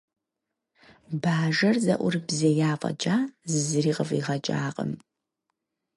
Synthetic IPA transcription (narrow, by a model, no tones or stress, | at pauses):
baːʒɐrzɐʔʷʊrbzejaːqʼɐ̰d͡ʒʼaːzɨzɨriːqəviːʁɐd͡ʒʼaːqʼə̰m